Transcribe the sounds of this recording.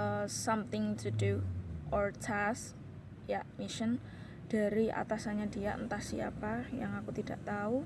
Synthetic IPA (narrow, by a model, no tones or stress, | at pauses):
əsamt̪ɪŋt̪uduʔɔrt͡ʃʰas | jaʔmiʃən | d̥a̤ɾiʔa̰t̪asaɲadijaʔənt̪ahsia̰pajaŋakut̪id̥aʔt̪au